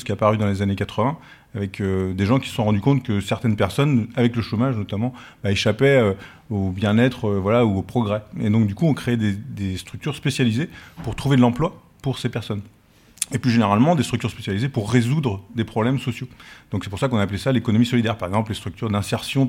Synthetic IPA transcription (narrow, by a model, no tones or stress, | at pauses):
sə̥kʲiapaʁyd̪ɑ̃lezanekat̪χəvɛ̃ | avɛkød̪eʒɑ̃kʲi̥sə̥sɔ̃ʁɑ̃d̪ykɔ̃t̪kəsɛʁt̪ɛnpɛʁsɔnavɛkləʃomaʒnɔt̪amɑ̃baeʃapɛø | objɛ̃nɛt̪χøvwalauopχɔɡʁɛed̪ɔ̃k̚d̪ykuɔ̃kχeɛd̪ed̪est̪χyk̚t̪yʁspesjalizepuʁt̪χuved̪əlɑ̃plwa | puʁsepɛʁsɔn | eplyʒeneʁalmɑ̃d̪est̪χyk̚t̪yʁspesjalizepuʁːezud̪ʁəd̪epχɔblɛmsɔsjod̪ɔ̃ksɛpuʁsakɔ̃naːplesalekɔnɔmisɔlid̪ɛʁpaʁɛɡzɑ̃plest̪χyk̚t̪yʁd̪ɛ̃sɛʁsjɔ̃